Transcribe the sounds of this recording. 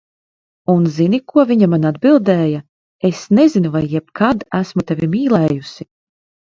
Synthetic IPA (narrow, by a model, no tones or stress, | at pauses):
unzinikuɔviɲamanad̪bilˠd̪ɛːja | esnɛzinuvajːɛb̚kʰad̪æsmut̪ɛvʲimiːlˠɛːjusi